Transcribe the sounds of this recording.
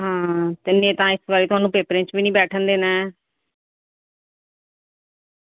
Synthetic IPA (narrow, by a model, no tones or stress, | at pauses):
ɦãːt̪ɪnːẽːt̪ãːɪsbaːɾiːt̪ʊɦaːnũːpeːpɾẽːt͡ʃbiːnĩːbɛːʈʰənd̪eːnaːɛː